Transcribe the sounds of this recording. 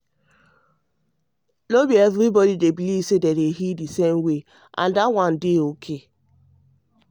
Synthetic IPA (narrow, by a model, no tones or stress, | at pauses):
lobievɾibɔdidebilisedeɾeɦidisemwe | ʔa̰n̩dawan̩deokʰe